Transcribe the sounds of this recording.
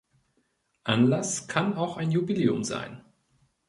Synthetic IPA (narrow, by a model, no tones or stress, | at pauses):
ʔanlaskʰanaʊxaɪnjubileːʊ̰mza̰ɪn